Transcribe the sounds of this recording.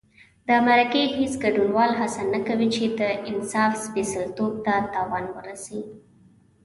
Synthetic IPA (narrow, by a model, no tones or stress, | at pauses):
d̪əmaɾakeɦesɡaɖunwɑlɦasanakawit͡ʃed̪əʔɪnsɑfspesalt̪ob̚t̪at̪ɑwɑnwəɾasi